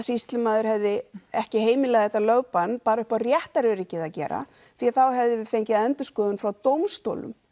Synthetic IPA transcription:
sist̪lɪmaːðʏɾ̥hɛvðɪɛhcɪɦeːjmɪlɛɣaðθɛt̪ːalœwpanpaːɾaʏhparjɛht̪aɾɛɾɪcɪðacɛ̰ːɾa̰ | θiaðθawɦɛvðɪvɪfejɲcɪaðɛnt̪ʏ̥skɔːðʏnfɾawt̪owmst̪o̰ːwlʏ̰m

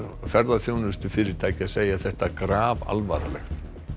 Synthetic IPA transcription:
fɛɾðaθjownʏst̪ʏfɪːɾɪɾ̥t̪ʰaːjcɪaseːjaθɛht̪akɾaːva̰lva̰ːɾa̰lɛ̰xt̪

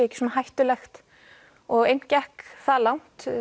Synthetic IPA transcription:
ɛhcɪ̥sɔnahajht̪ʏlɛxt̪ | ɔɣejn̥cɛhkθalawn̥t̪

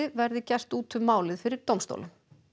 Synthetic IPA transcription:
ɪvɛɾðɪcɛ̥st̪uːt̪ʰʏmːaːwlɪðfɪɾɪɾ̥t̪owmst̪o̰wlʏm

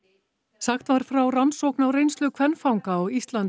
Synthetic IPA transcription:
saxt̪vaɾ̥fɾawransowknawɾejnst̪lʏkʰvɛnfawŋkaawist̪lan

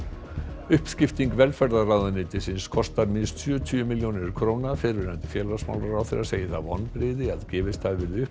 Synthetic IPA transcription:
ʏhpscɪft̪iŋkvɛlfɛɾðaraːwðʏnɪːt̪ɪsɪnskʰɔst̪aɾmɪnst̪sjœːt̪ʰyʏmɪljownɪɾkʰɾoːwnafɪɾvɪɾant̪ɪ̥fjɛːlasma̰wlaɾawθɪɾaseːjɪθa̰ðɔ̰npɾɪːðɪaðcɛːvɪst̪θaðvɪɾðʏhp

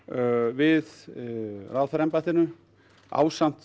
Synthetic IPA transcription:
vɪð | raðfɛɾɛmpaht̪ɪnʏ | a̰ːwsam̥t̪

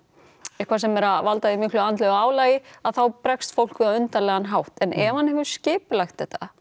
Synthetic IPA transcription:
ɪkʰvasɛmɛɾavalt̪aðɪmɪːklʏant̪lœɣaːwlajɪaðθawpɾɛkst̪fowl̥kvɛðaʏnt̪alɛːɣanɦawht̪ɛnɛvhanhɛvʏɾ̥scɪːpʏlajxt̪ɛht̪a

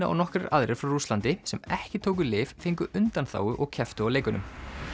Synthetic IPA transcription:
aʔɔ̰nɔhkɾɪ̰ɾʔa̰ðɾɛɾ̥fɾawruslant̪ɪsɛmɛhcɪt̪ʰoːwk̬ʏlɪːffeŋkʏʔʏnt̪anθa̰ːwʏʔɔɣcʰɛft̪ʏawleːjkʏnʏm

